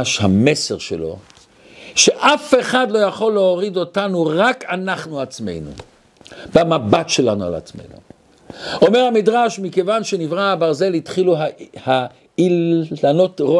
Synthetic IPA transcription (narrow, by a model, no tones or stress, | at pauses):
ʃhameseʁʃḛlo̞̰ | ʃeʔafe̞χadlo̞jaχo̞lːeoʁido̞tanuʁakanaχnuat͡sme̞̰jnṵ | bamabatʃelanua̰la̰t͡smḛjnṵ | o̞meʁhamidʁaʃmikevanʃenivʁaːbaʁze̞lhitχiluaha | ilanotʁo